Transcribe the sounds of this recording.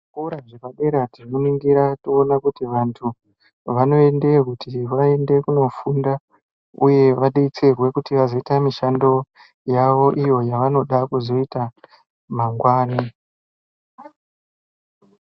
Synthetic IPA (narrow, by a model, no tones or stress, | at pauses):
kuuɾaʐekaɓe̞ɾatirnuniŋɡiɾatoːnakutiʋantʰu | ʋano̞e̞nde̞kutʰiʋae̞nde̞kuno̞funda | ṵje̞ʋaɗit͡serwe̞kutiʋazo̞itamiʃando̞ | jaʋo̞ʔijo̞jaʋano̞ɗakuzo̞ita | maŋɡwaːni